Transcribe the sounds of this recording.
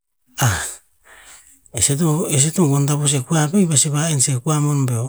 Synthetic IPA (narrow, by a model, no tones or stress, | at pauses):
a | eset̬oes̬etoɡontapos̬ekuabejbaseβaensekuamonbeo